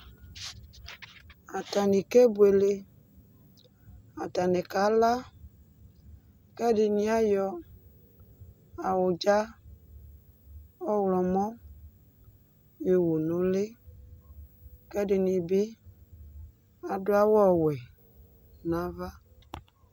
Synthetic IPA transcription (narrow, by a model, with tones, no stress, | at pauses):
a˨ta˨ni˨ke˦bu˨˦e˨le˦ | a˨ta˨nɛ˨ka˨˦la˦ | kɛ˦dɪ˨nĩ˦a˦jɔ˦ | a˨wʊ˨d͡ʒa˦ | ɔ˦wlɔ˨mɔ̃˦ | jo˨wo˨nʊ̃˨le˦ | kɛ˦dɪ˨nĩ˨bi˦ | a˨dʊ˦a˦wɔ˦˨wɛ˨ | nã˨˦va˦